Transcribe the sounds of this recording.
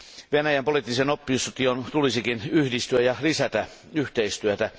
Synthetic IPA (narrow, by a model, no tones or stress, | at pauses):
ʋenæjæmpolit̪ːisenopːiust̪iont̪ulisikinyhdist̪yæjɑlisæt̪æ | yht̪eist̪yøt̪æ